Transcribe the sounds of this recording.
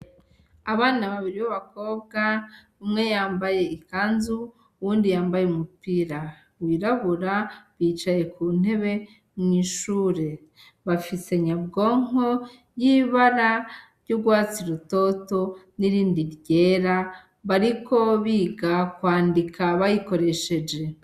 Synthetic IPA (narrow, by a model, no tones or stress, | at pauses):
aβaːnaβaβiɾiβaβako̞bɡa | imŋe̞jaːmbaje̞ikaːnzuː | wuːndijaːmbajeumupiːɾa | wiːɾaβuɾaβiːt͡ʃaje̞kuːn̥e̞βe̞ | mŋiːʃuːɾe̞ | βafise̞ɲabɡo̞ːŋo̞ | jiβaɾaɾɟuɡwaːt͡siɾuto̞to̞niɾiːndiɾɟe̞ɾa | βaɾiko̞βiːɡakwaːndikaβajiko̞ɾe̞ʃe̞d͡ʒe̞